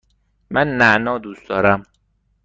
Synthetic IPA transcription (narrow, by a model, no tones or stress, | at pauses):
mænːæʔnɒːd̪uːsd̪ɒːɾæm